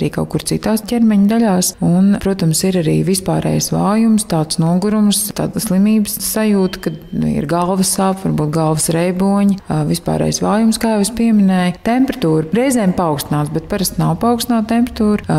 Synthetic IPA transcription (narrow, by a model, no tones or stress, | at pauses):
ɾiːka̰wkuɾt̪sit̪aːscʲɛɾmɛɲd̪aʎaːsunpɾuɔt̪amsiɾaɾḭːvispaːɾɛ̰ːjsʋaːjumst̪aːt̪snuɔɡuɾumst̪a̰ːd̪slˠimiːbəsːajuːt̪kad̪nṵḭɾɡalˠʋɐsaːpʋaɾbuːt̪̚ɡalˠʋəsɾɛjbuɔɲivispa̰ːɾɛ̰ːjsʋaːjumskaːjɛʋspiɛmɪnɛjt̪empɾɐt̪uːɾɾɛjzɛːmpaɔʊwkst̪inaːt̪bɛt̪̚paɾast̪nawpaɔʊkst̪inaːt̪t̪empɾət̪uːɾ